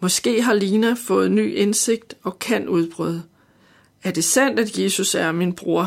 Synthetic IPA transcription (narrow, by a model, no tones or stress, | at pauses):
mɒ̽sɡ̥e̝̰ːɦɑ̈liːnæfɔ̽ːð̩ˠny̰ːʔense̝ɡ̥̚d̥ɒ̽kʰæn̰uð̞ˠb̥ʁœ̰ð̞ˠ | æɐd̥e̝sæn̰d̥æd̥je̝ːsusæɐminb̥ʁoɐ̰